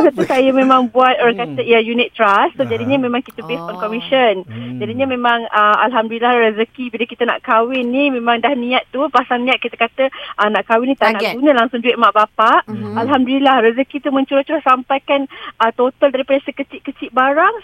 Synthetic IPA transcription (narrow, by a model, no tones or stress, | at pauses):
sat̪usajamẽmãŋbuat̪̚oɾaŋkat̪əijajunɪt̪ːɾast̪od͡ʒadiɲəmẽmãŋkit̪əbesɔnkɔmiʃənd͡ʒadiɲamẽmãŋəa̰lɦamduilahrəzəkibiləkit̪əna̰ʔkawɪnːimẽmãŋdahnĩat̪ːupasaŋnĩat̪̚kit̪əkat̪əʔənaʔkawɪnːĩt̪anaʔɡɡunəlaŋsʊŋd͡ʒuɪʔ̪̚maʔbapaʔalɦamduilahɾəzəkit̪umə̃ɲt͡ʃuɾaht͡ʃuɾahsampajkanət̪ot̪aldaɾipadəsəkət͡ʃɪʔkət͡ʃɪʔ̚baɾaŋ